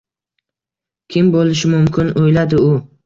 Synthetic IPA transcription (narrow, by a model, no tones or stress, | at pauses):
kʲʰɪmbolɪʃɪmʊmkʲʰɪnojlad̪ɪʊ